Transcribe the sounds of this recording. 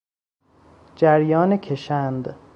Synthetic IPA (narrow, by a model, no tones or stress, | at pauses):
d͡ʒæɾjɒːnecʰeʃænd̪